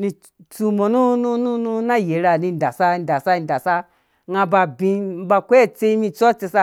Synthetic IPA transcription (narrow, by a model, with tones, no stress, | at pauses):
ni˧ | t͡su˧mo˨nu˦nu˦nu˦nu˧na˦je˨˦ɾa˧˨nĩ˧n˨da˨sa˦i˧˨da˨sa˦i˧˨da˨sa˦ | ŋa˧ba˧bĩ˧˦ba˧kʷe˦e˦˨t͡se˧i˧mĩ˧t͡sɔ˦t͡se˧sa˧